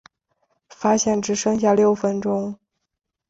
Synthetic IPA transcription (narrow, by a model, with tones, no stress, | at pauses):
fa˥ɕjɛ˥˩nʈ͡ʂɻ̩˧˥ʂɤ˥ŋɕ̬ja˥˧ljo˥˩ʊfə˧˥nʈ͡ʂʊ˥ŋ